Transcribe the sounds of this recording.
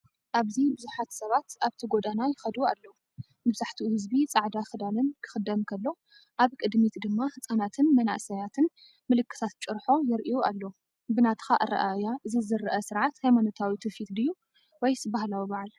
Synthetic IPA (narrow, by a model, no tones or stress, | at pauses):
ʔaβzibɨzuħat̪sɐβat̪ʔaβt̪ʰiɡod̪anajɪxɐd̪ualːɐ | mɨβzaħt̪ʰiuhɨzbit͡sʼaʕd̪axɨd̪alɨnkʰɨ̥xɨd̪ːɐmkʰɐlːo̞ | ʔaβkʼɨd̪mit̪d̪ɨmːahɨt͡sʼanat̪ʰɨnmɐna̰ʔsɐjat̪ʰɨn | mɨlɨkːɨ̥t̪ʰat̪̚t͡ʃʼɨɾħo̞jɪɾʔiualːo | bɨnat̪ʰɨ̥xaʔɨɾɐ̰ʔajaɨzɨzɨɾʔɐsɨɾʕat̪hajmanot̪ʰawit̪ʰɨfit̪d̪ɨjːu | wɔjsbahlawibaʕl